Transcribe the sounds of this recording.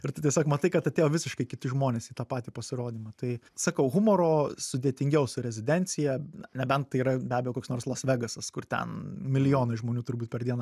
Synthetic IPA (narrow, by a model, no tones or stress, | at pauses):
ɪɾt̪ɐɪtʲiɛsʲoːkmɐt̪ɐɪkɐt̪ɐt̪ʲeːjoːʋʲɪsʲɪʃkɐɪkʲɪt̪ʲɪʒmoːnʲeːsiːt̪ɑːpɑːt̪ʲiːpɐsʲɪɾoːd̪ʲiːmɐt̪ɐɪ | sɐkɐʊɣʊmoːɾoːsʊd̪ʲeːt̪ʲɪŋʲɡʲɛʊsʊɾʲɛzʲɪd̪ʲɛnʲt̪t͡s̪ʲɪjɛɐnʲɛbʲɛnt̪̚tɐɪiːɾɐbʲæːbʲejoːkoːksnoːrslˠɐsʲʋʲɛɡɐsɐskʊrt̪ʲɛ̰nmʲɪlʲɪjoːnɐɪʒmoːnʲuːt̪ʊɾbuːt̚pʲɛɾd̪ʲiɛnɐ